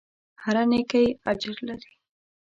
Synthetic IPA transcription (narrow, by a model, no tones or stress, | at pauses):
haɾanekajad͡ʒɪɾlaɾi